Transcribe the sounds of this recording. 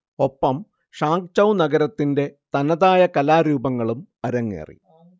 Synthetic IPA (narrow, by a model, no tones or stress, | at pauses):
o̞pːɐm | ʂaːŋk̚t͡ɕɐwnɐɡɐɾɐt̪ːinde̞t̪ɐnɐðaːjɐkɐlaːɾuːbɐŋːɐɭumɐɾɐŋːḛːrḭ